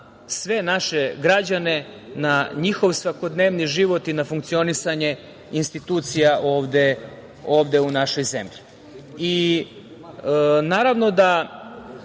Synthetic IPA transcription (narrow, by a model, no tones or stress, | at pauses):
sʋe̞naʃeɡɾad͡ʑane̞naɲixo̞ʋsʋako̞d̪neːʋniʒiʋo̞t̪inafuŋk̚t̪sio̞nisaɲe̞ | inst̪it̪uːt̪sijaʔoːʋd̪e | o̞ːʋd̪e̞unaʃo̞jzemʎi | i | naːɾaʋno̞d̪a